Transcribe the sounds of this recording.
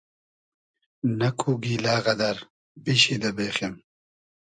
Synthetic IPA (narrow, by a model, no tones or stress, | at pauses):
nɐkʰuɡiːlaːɣɐd̪ɐɾ | biɕid̪ɐbeːχem